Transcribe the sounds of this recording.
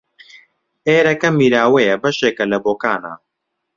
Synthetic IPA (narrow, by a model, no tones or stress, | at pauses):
eːɾɐkɐmiːɾaːwejɛbɐʃeːkɐlɐboːkaːna̰ː